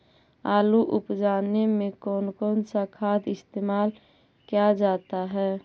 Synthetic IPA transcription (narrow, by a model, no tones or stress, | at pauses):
aːluʔʊpd͡ʒaːnemẽkɔːnkɔːnsakʰaːd̪ɪst̪eːmaːl | kijad͡ʒaːt̪aɦɛː